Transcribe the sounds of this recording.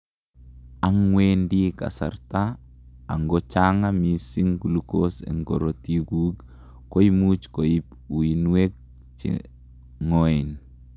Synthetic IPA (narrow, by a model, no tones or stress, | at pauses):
aŋweːndika̰sa̰ɾta | aŋɡot͡ʃaŋamisiŋɡulukosḛŋɡoɾotiɡuːɡ | koimut͡ʃkojip | uinuek̚ | t͡ʃḭ | ŋoin